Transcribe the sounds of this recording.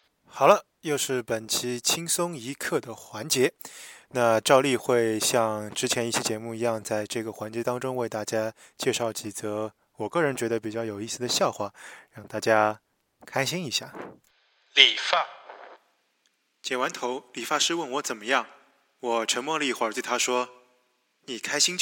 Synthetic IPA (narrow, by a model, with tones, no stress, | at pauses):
xɑ˨˩lə˦ | jo˥˧ʊʂɻ̩˥˩pə˨˩nt͡ɕʰi˧˥t͡ɕʰi˥ŋsʊ˥ŋi˧˥kʰɤ˥˩d̪ə˩xwa˧˥nt͡ɕjɛ˧˥na˥˧ʈ͡ʂɑ˥˧ʊli˥˧xwe˥˧ɪɕjɑ˥˧ŋʈ͡ʂɻ̩˥t͡ɕʰjɛ˧˥ni˥˩ɕjɛ˥t͡ɕjɛ˧˥mu˥˩i˧˥jɑ˥˧ŋt͡sa˥˧ɪʈ͡ʂɤ˥˩ɡə˩xwa˧˥nt͡ɕjɛ˧˥t̪ɑ˥ŋʈ͡ʂʊ˥ŋwe˥˧ɪt̪a˥˩t͡ɕja˥ | t͡ɕjɛ˥˧ʂɑ˥˩ʊt͡ɕʰi˨˩t͡sɤ˧˥ | wɔ˨˩kɤ˥˩ɻə˧˥nt͡ɕɥɛ˧˥d̪ə˧pi˨˩t͡ɕjɑ˥˩ʊjo˨˩ʊi˥˩sɹ̩˩d̪ə˩ɕjɑ˥˧ʊxwa˥˩ɻɑ˥˩ŋt̪a˥˩t͡ɕja˥ | kʰa˥ɪɕi˥ŋi˧˥ɕja˥˩ | li˨˩fa˥˩ | t͡ɕjɛ˨˩wa˧˥nt̪ʰo˧˥ʊli˨˩fa˥˧ʂɻ̩˥˧wə˥˩nwɔ˧˥t͡sə˨˩nmə˦jɑ˥˩ŋ | wɔ˨˩ʈ͡ʂʰə˧˥ŋmwɔ˥˧lxwa˨˥t̪we˥˩ɪt̪ʰa˥ʂwɔ˥ | ni˨˩kʰa˥ɪɕi˥ŋt͡ɕ